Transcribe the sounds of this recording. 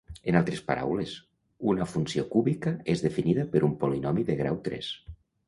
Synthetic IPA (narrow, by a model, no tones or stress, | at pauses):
enalˠt̪ɾespaɾʔa̰wles | unafunsiokuβikaezðefiniðapeɾumpolinɔmiðeɣɾa̰wt̪ɾɛ̰s